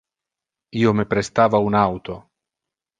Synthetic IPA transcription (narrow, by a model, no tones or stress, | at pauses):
iːomepɾest̪aːvaunawt̪o